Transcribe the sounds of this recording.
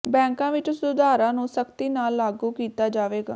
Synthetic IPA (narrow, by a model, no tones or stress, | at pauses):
bɛ̃ːŋkãːʋɪt͡ʃsʊd̪aːɾãːnũːsəkt̪iːnaːlːaːɡuːkiːt̪aːd͡ʒaːʋeːɡa̰ː